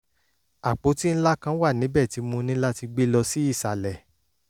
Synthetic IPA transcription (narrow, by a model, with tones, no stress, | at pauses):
a˨k͡po˨˦ti˦n̩˦la˦kã˧˦wa˦˨nĩ˨˦bɛ˦˨ti˨˧mũ˧nĩ˦la˦ti˧ɡ͡be˦lɔ˧si˦i˦˨sa˨lɛ˨